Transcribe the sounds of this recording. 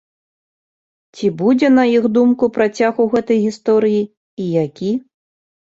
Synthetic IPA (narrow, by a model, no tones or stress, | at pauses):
t͡sʲibud͡zʲɛnɐixd̪umkupɾat͡sʲaɣuwɣɛt̪ɐjɣʲist̪ɔɾɨjiː | jakʲi